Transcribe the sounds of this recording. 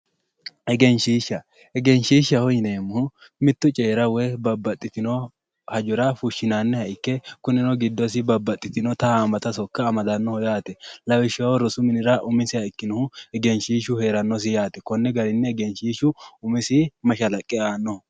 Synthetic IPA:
ɛɡɛnʃiːʃːɐ | ɛɡɛnʃiːʃːɐhɔjɪneːmːʊ | mɪt̪ːʊt͡ʃʼe̞ːɾɐwɛbɐbːɐt̪ʼːɪt̪ɪnɔ | hɐd͡ʒʊɾɐfʊʃːɪnaːnːɛhɐɪkːɛkʊnɪnɔɡɪd̪ːɔs̬ɪbɐbːɐt̪ʼːɪt̪ɪnɔt̪ɐamɐt̪ɐsɔkːɐːmɐd̪ɐnːɔhɔjaːt̪ɛlɐwɪʃɐwɔɾɔsʊmɪnɪɾɐʔʊmɪsɪɐɪkːɪnɔhʊɛɡɛnʃiːʃʊhe̞ːɾɐnːɔs̬ɪjaːt̪ɛ̥kɔnːɛɡɐɾɪnːɛːɡɛnʃiːʃʊʊmɪsɪmɐʃɐlɐkʼːɛaːnːɔ

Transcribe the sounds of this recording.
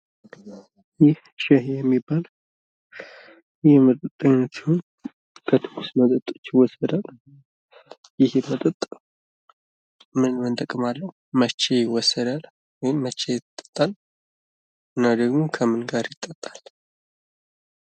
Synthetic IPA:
jɪh | ʃɛhejɛmːibːal | jɪhjmət̪ʼət̪ʼːəɲːət̪si̥ho̞n | kʰət̪ʰɨ̥ɡʰusmət̪ʼət̪ʼo̞̥t͡ʃːjɪwɔsːəd̪al | jɪhjɛmət̪ʼət̪ʼː | mɨnmɨnt̪ʼəkʼːɨmalːəhumət͡ʃːejɪwɔsːəd̪al | wɔjɪmːət͡ʃːejɪt̪ʼːə̥t̪ʼːal | ɨnːad̪əɡmukʰəmɨnɡaɾjɪt̪ʼːət̪ʼːal

